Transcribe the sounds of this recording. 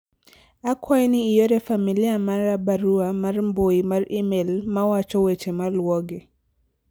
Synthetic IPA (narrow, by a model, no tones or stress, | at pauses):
akʰwajniːjoɾɛfamiliamaɾabaɾuamarmboimaɾimelmawat͡ʃɔwet͡ʃemalwɔɡi